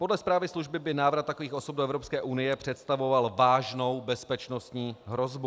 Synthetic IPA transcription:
po̞dlɛspɾaːvɪsluʒbɪbɪnaːvɾat̪ːakoviːxo̞sob̚doɛvɾo̞pskɛːʔunɪjɛpr̝̥ɛt̪st̪avo̞valvaːʒno̞wbɛspɛt͡ʃno̞st̪ɲiːɦɾo̞zbu

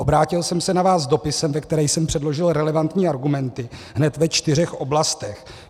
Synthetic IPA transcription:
obɾaːcɪlsɛmsɛnavaːszdo̞pɪsɛmvɛk̚t̪ɛɾɛːjsɛmpr̝̥ɛdlo̞ʒɪlɾɛlɛvant̪ɲiːaɾɡumɛnt̪ɪɦnɛt̪vɛt͡ʃt̪ɪr̝ɛxʔo̞blast̪ɛx

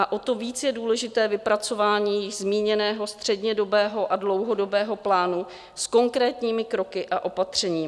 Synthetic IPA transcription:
ʔaʔo̞t̪o̞viːt͡sjɛduːlɛʒɪt̪ɛːvɪpɾat͡so̞vaːɲiːzmiːɲɛnɛːɦo̞st̪r̝̥ɛdɲɛdo̞bɛːɦo̞ʔadlo̞wɦo̞do̞bɛːɦo̞plaːnu | sko̞ŋkɾɛːt̪ɲiːmɪkɾo̞kɪʔaʔo̞pat̪r̝̥ɛɲiː

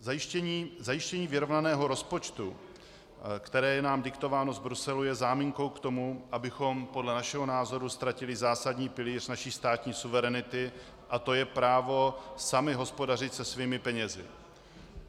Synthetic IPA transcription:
zajɪʃcɛɲiːzajɪʃcɛɲiːvɪɾo̞vnanɛːɦo̞ɾo̞spo̞t͡ʃt̪u | kt̪ɛɾɛːjɛnaːmdɪkt̪o̞vaːno̞vbɾusɛlujɛzaːmiːŋko̞wkt̪o̞muʔabɪxo̞mpo̞dlɛnaʃɛɦo̞naːzo̞ɾust̪ɾacɪlɪzaːsadɲiːpɪliːr̝naʃiːst̪aːt̪ɲiːsuvɛɾɛnɪt̪ɪ | ʔat̪o̞jɛpɾaːvo̞samɪɦo̞spo̞darɪt̪sɛsviːmɪpɛɲɛzɪ̰

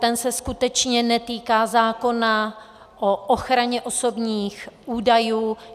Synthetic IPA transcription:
t̪ɛnsɛskut̪ɛt͡ʃɲɛnɛt̪iːkaːzaːko̞na | ʔoʔoxɾaɲɛʔoso̞bɲiːxuːdajuː

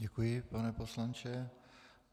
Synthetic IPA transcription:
ɟɛkujɪpanɛposlant͡ʃɛ

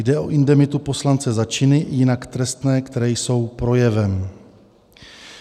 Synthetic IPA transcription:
jdɛʔo̞̰ʔɪndɛmɪt̪upo̞slant͡sɛzat͡ʃɪnɪjɪnakt̪ɾɛst̪nɛːkt̪ɛɾɛːjso̞wpɾo̞jɛvɛm

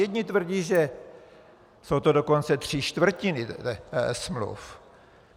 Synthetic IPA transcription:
jɛd̪ɲɪt̪vr̩ɟiːʒɛ | sowt̪odoko̞nt͡sɛt̪r̝̥ɪʃt̪vr̩cɪnɪ | smlṵf

